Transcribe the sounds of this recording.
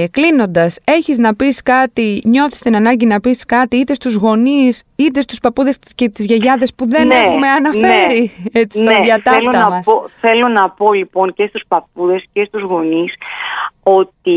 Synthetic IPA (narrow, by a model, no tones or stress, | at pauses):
klino̞nd̪ɐse̞çiznɐpiskɐt̪iɲo̞θi̥st̪inɐnɐɲɟinɐpiskɐt̪iit̪e̞st̪uzɣo̞nisit̪e̞st̪uspɐpuðe̞scet̪izʝeʝɐðe̞spuðeneexume̞ɐnɐfe̞ɾiet͡sisnt̪eðjɐtθɐeloɐɐmɐsoθe̞lo̞nɐpo̞lipo̞ŋcest̪u̥spɐp̚uðe̞scest̪uzɣo̞nis | o̞t̪i